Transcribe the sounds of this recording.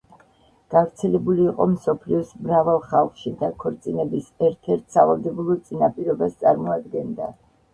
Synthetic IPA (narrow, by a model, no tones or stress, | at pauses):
ɡ̥avɾt̪sʰɛlɛbuliːqʼɔ̰msɔpʰliɔsmɾavalˠχalˠχʃid̪akʰɔɾt̪sʼinɛbisɛɾt̪ʰɛɾt̪ʰsavalˠd̪ɛbulˠɔt̪sʼinapʼiɾɔbast̪sʼaɾmɔad̪ɡɛnd̪a